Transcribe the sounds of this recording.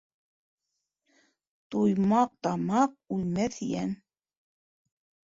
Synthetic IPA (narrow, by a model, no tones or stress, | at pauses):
t̪ujmɑq̚t̪ɑmɑq̚ujmæθjæ̰n